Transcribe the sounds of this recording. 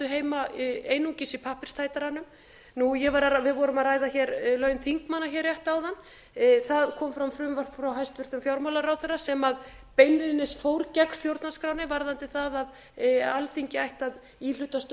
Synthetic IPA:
ʏɦeːjmaeːjnuŋcɪsɪpʰahpɪr̥st̪ʰaːjt̪aɾanːʏm | nujɛvaɾaavɪðvɔɾʏmaðraːjðaçɛɾlœɥnθiŋkmanːaçɛɾrːjɛht̪aːwðan | θaðkʰɔːmfɾamfɾʏːmvḁfɾawɦajst̪vʏr̥t̪ʏmfjawɾmawlaɾawθɛɾasɛmað | pejnɪnɪsfowɾcakst̪jowɾt̪naskɾaːwnɪvaɾðant̪ɪθaðað | alθiɲcɪajht̪að | il̥ʏt̪ast̪

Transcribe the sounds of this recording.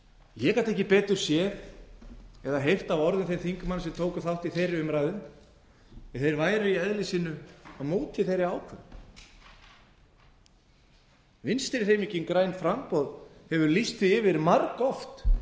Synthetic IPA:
jɛːkat̪ɛhçcɪpɛːt̪ʏɾ̥sjɛð | ɛðaɦejft̪avɔɾðɪnθejɾθiŋkʏmanːsɛmt̪ʰoːwkʏθawht̪iθejɾɪʏmɾajðʏn | ɛθejɾvaːjɾʏiɛðlɪsiːnʏaðmoːt̪ʰɪθejɾɪaːwkʰvɛɾ | vɪnst̪ɪɾɪθejmicːɪnkɾaːjnfɾampɔðhɛvʏɾlist̪θɪɪvɪɾmaɾkɔft̪

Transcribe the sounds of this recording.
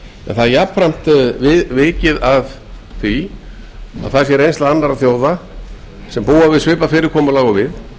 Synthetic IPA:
ɛ̰nθaðjapfɾam̥t̪vɪvɪːcɪðað | θvi | a̰ðθasjɛɾejnst̪laðanːaɾaθjoːwða | sɛmpuːwavɪðsvɪːpafɪːɾɪɾ̥kʰɔːmɔlaːɣɔvɪð

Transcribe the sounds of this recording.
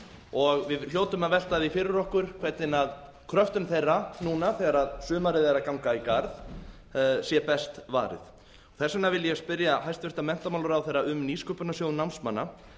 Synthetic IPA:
ɔɣvɪðl̥joːwt̪ʏmaðvɛl̥t̪aðifɪːɾɪɾɔhkʏɾ̥kʰvɛt̪nɪnað | kʰɾœft̪ʏmθejrːanuːnaθɛɣaɾaðsʏːmaɾɪðɛɾakawŋkaikaɾð | sjɛpɛst̪va̰ːɾɪ̰ð | ɔɣθɛsːanavɪlːjɛspɪɾjaɦajst̪vɪr̥t̪amɛn̥t̪amawlʏɾawθejɾːaʏmniːskœːpʏnasjoːwðnawnsmanːa

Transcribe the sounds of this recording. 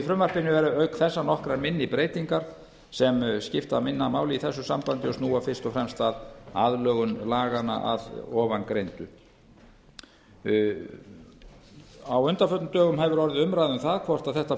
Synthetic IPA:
ifɾʏmvar̥pɪnːʏvɛɾʏœɥkθɛsːanɔhkɾaɾmɪnːɪpɾeːjt̪iŋkaɾ̥ | sɛmscɪft̪amɪnːamaːwlɪiθɛsːʏsampant̪ɪɔst̪nuːafɪr̥st̪ɔfɾɛmst̪aðaðlœːɣʏnlaːɣana̰ʔa̰ðɔːvankɾejnt̪ʏ | awʏnt̪aɾfœt̪nʏt̪œːɣʏmhɛvʏɾɔɾɪðʏmɾajðʏmθaðkʰvɔr̥t̪aðθɛht̪a

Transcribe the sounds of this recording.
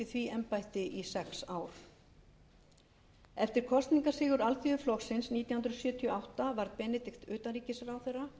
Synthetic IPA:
ɪθviɛmpajht̪ɪʔisɛksaːwɾ̥ | ɛft̪ɪɾ̥kʰɔst̪niŋkasɪːɣʏɾalt̪ʰʏʏflɔxsɪnsniːt̪jawhnɾsjʏːt̪ʰiɔawht̪avaɾðpɛːnɛt̪ɪxt̪ʏːt̪aɾiːcɪsrawθɛrːa

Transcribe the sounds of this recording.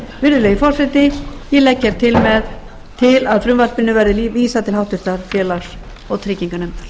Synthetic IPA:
vɪɾðʏleːjɪfɔr̥sɛt̪ɪjɛlɛcːɛɾ̥t̪ʰɪlmɛð | t̪ʰɪlaðfɾʏmvalpɪnːʏvajɾðɪiviːsat̪ʰɪlhawht̪ʏɾ̥t̪aɾ̥fjɛːlas | ɔɣt̪ʰɾɪːciŋkanʏm

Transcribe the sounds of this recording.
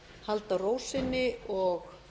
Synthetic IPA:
halt̪aroːwsɪnːɪɔɣ

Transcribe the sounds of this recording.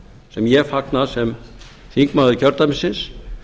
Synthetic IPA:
sɛmjɛfak̪̚nasɛm | θiŋkmaðikʰœɾt̪amɪsɪns

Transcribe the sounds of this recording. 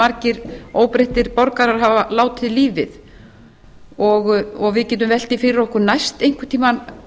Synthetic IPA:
aɾcɪɾ̥oːwpɾeht̪ɪɾpɔɾkaɾaɾɦaːvalaːwt̪ʰɪðliːvɪ̰ð | ɔɣɔɣvɪðcɛːt̪̬ʏmvɛl̥t̪ɪfɪːɾɪɾɔhkʏɾnajst̪ejŋ̥kʰʏ̥t̪ʰiːman

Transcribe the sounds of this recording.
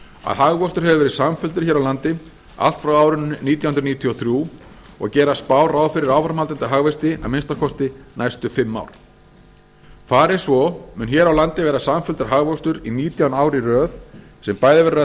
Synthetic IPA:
a̰ðhaɣvɔst̪ʏɾ̥hɛvʏvɛɾɪsamfʏlt̪ʏɾ̥çɛːɾawlant̪ɪ | a̰lt̪fɾawaːwɾʏnniːt̪jawhʏnɾniːt̪ʰjɔθɾjuː | ɔ̰ɣcɛːɾaspaːwraːwfɪɾɪɾaːwfɾamhalt̪ɪnt̪aɦaɣvɛst̪ɪa̰ðmɪnst̪akʰɔst̪ɪnajst̪ʏfɪmːa̰wɾ̥ | faːɾɪ̥svɔmʏnçjɛːɾawlant̪ɪvɛːɾasamfʏlt̪ʏɾ̥ɦaɣvɔst̪ʏɾiniːt̪jawnaːwɾiɾœːð | sɛmpaːjðɪvɛɾɾa

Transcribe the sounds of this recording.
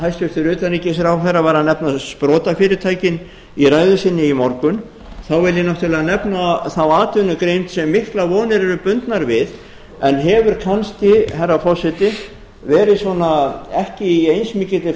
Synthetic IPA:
ɦajst̪jœɾ̥t̪ʏɾʏːt̪anɾiːcɪs̬ɛɾawθɛravaɾanɛpnaspɾɔːt̪afɪːɾɪɾt̪ʰaːjcɪn | iɾaːjðʏsɪnːɪimɔɾkʏn | θawvɪljɪnɔht̪ʰɪlanɛpnaθawaːt̪ʏnʏkɾejmt̪sɛmːɪhklavɔːwnɪɾɛɾʏpʏnt̪naɾvɪð | ɛnɦɛvʏɾ̥kʰansc̪ɪɦajrːafɔsɛt̪ɪ | vɛːɾɪsvɔnaɛhcɪiejnsmɪːcɪt̪ɪ

